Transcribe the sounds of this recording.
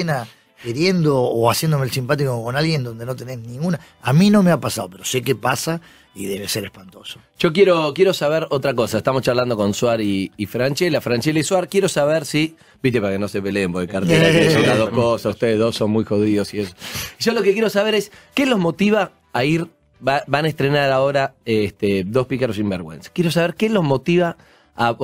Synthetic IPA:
ena | keɾjend̪oːasjend̪omeelsimpat̪̬ikokonalɣjend̪ond̪enot̪eneznĩŋɡuna | amino̞meapasaðopeɾose̞k̬epasa | ḭðeβeseɾehpant̪osoʒ̥o̞k̬jeɾo̞kjeɾo̞saβeɾot̪ɾako̞saeht̪amost͡ʃaβland̪o̞ko̞nswaɾiːfɾant͡ʃelafɾant͡ʃelaiswaɾkjeɾo̞saβeɾsi | bit̪epaɾakenosepeleːmboðekaɾt̪eesunaðohkosasuht̪eðeðosonmujxo̞ð̞iðosieso̥iʒolo̞kekjeɾosaβ̞eɾeskelozmo̞t̪iβaː | iɾ | babanaest̪ɾenaɾao̞ɾaest̪ed̪o̞spikaɾos̬imbeɾɣwḛnsḁkjeɾo̞s̬aβeɾkelozmo̞t̪iβaː

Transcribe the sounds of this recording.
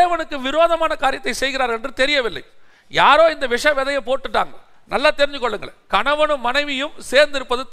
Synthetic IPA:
ʋɐnɯkːɯʋɪɾoːðɐmaːnɐkaːɾɪjɐt̪ːɐɪsɛjɣɪɾaːɾɛndrɯt̪ɛɾɪjɐʋɪlːɐ̰ɪ | jaːɾoːɪnd̪ɐʋɪʂɐʋɛðɐjɐpoːʈːɯʈːa̰ːŋɡɐɭ | nɐlːaːt̪ɛɾɪɲd͡ʒɯkːɔɭːɯŋɡɐ̰ɭkɐɳɐʋɐnɯmːɐnɐɪʋɪjɯmseːɾnd̪ɪɾɯpːɐðɯt̪

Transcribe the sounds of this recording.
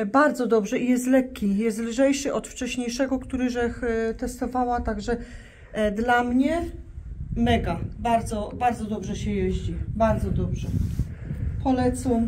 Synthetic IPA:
baɾd̪zɔd̪ɔbʐɛijɛst̪lɛkʲːijɛst̪lʐɛjʂɘʔɔt̪ft͡ʂɛɕɲejʂɛɡɔkt̪uɾɘʐɛxt̪ɛst̪ɔvawat̪aɡʐɛ | d̪lamɲɛ | mɛɡabaɾd̪zɔbaɾd̪zɔd̪ɔbʐɛɕɛjɛʑd͡ʑibaɾd̪zɔd̪ɔbʐɛ | pʰɔlɛt̪su

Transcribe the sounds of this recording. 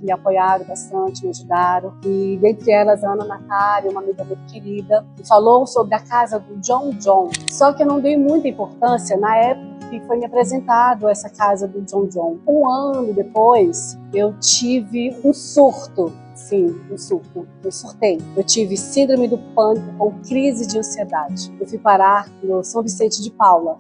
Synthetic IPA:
mɪapojaɾõbast̪ɐ̃t͡ʃɪmɪaʒud̪aɾõɪd̪ẽnt̪ɾɪɛlɐzɐ̃nɐnat̪aɾɐũmɐamiɡɐmũj̃t̪ʊ̥keɾid̪ɐfalowsobɾɪɐkazɐd̪ʊd͡ʒõw̃d͡ʒõw̃sɔkɪewnɐ̃w̃d̪ejmũj̃t̪ɐĩpoɾt̪ɐ̃siɐnɐɛpʊkkɐkɪfojmɪapɾezẽnt̪ad̪ʊɛsɐkazɐd̪ʊd͡ʒõw̃d͡ʒõw̃ũɐ̃nʊd̪epojs | ewt͡ʃivɪũsuɾt̪ʊ | sĩũsuɾt̪ʊ | ewsuɾt̪ejewt͡ʃivɪsĩnd̪ɾomɪd̪ʊpɐ̃t̪ʊkõw̃kɾizɪd͡ʒɪɐ̃sied̪ad͡ʒɪewfujpaɾaɾnʊsɐ̃w̃visẽnt͡ʃɪd͡ʒɪpawlɐ

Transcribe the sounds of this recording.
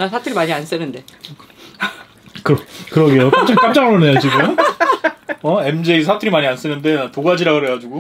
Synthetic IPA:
nasʰatʰɯɾimaɲians͈ɯnɯnde̞ | kɯɾʌkɯɾʌɡe̞jok͈amt͡ɕ͈ʰaŋk͈am̚t͡ɕ͈aŋɾonejat͡ɕiɡɯm | ʌe̞md͡ʑeisʰatʰɯɾimaɲians͈ɯnɯnde̞atoɡad͡ʑiɾaɡɯɦeɡad͡ʑuɡo

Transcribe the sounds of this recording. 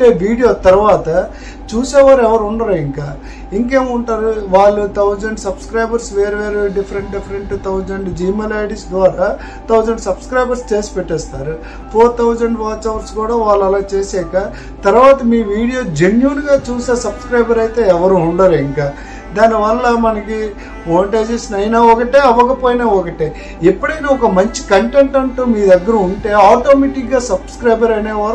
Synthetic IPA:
ʈeːʋiːɽijo̞ːt̪ɐɾuʋaːt̪ɐ | t͡ʃuːseːʋaːɾɛʋɐɾuɳɖɐɾuiŋkaː | iŋke̞ːmuɳʈaːɾuʋaːɭːut̪ʰɐwd͡ʒɐɳɖsɐbskɾɐjbɐɾsʋeːɾʋeːɾeɖifʰɐɾeɳʈɖipʰɐɾeɳʈt̪ʰɐwd͡ʒɐɳɖd͡ʒiːmelaːjɽisd̪ʋaːɾaː | t̪ʰɐwd͡ʒɐɳɖsɐbskɾɐjbɐɾst͡ʃe̞ːsi̥pɛʈːɛːst̪aːɾu | pʰoːɾt̪ʰɐwd͡ʒɐɳɖʋaːʈsɐʋɐɾskuːɽaːʋaːɭːɐlaːt͡ʃe̞ːsɛːka | t̪ɐɾʋaːt̪ɐmiːʋiːɽijo̞ːd͡ʒenjuːnɡaːt͡ʃuːseːsɐbskɾɐjbɐɾɐjt̪e̞ːɛʋɐɾuːɳɖaːɾiŋkaː | d̪aːniʋɐlːɐmɐnɐki | noːɳʈeːd͡ʒesnɐjnaːɔkɐʈeːɐʋɐkɐpoːjinaːɔkɐʈeː | ipːɐɽɐjnaːɔkɐmɐɲt͡ʃi̥kɐɳʈeɳʈɐɳʈuːmiːd̪ɐɡːɐɾɐuɳʈe̞ːaːʈoːmeːʈikɡaːsɐbskɾɐjbɐɾɐneːʋaːɾ

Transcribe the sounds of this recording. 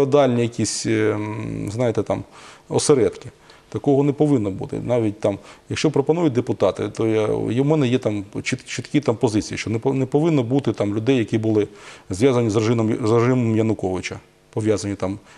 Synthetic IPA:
ɔd̪ɑlʲnʲijɐkʲisʲ | znɑjɪt̪ɛt̪ɑmɔ̰seɾɛd̪kɪ | t̪ɐkɔɦɔnepɔʋɪnːɔbṵt̪ɪ̰nɑʋʲit̚ʲt̪ɑmjɐkʃt͡ʃɔpɾɔpɐnujʊt̚ʲd̪epʊt̪ɑt̪ɪ̰t̪ɔjajmɛnɛjɛt̪ɑmt͡ʃit̪t͡ʃɪt̪kʲit̪ampɔzɪt͡sʲijiʃt͡ʃɔnɛnɛpɔʋɪnːɔbut̪ɪt̪ɑmlʲʊd̪ɛjːɐkʲibʊlˠɪzʋjazɐnʲizɪzreʒɪmɔmjɐnʊkɔʋɪt͡ʃɐ | pɔʋʲjazɐnʲit̪ɑm

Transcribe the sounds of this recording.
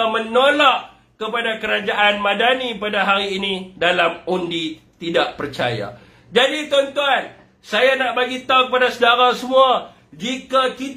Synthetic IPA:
mənolaʔ | kəpadakəɾad͡ʒaʔanmadanipadaɦaɾiːnidalamundit̪idaʔpərt͡ʃa̰ja̰ | d͡ʒadit̪ɔnt̪uan | sajanaʔbaɡit̪aŋkəpadasədaɾasəmua | d͡ʒikakit̪

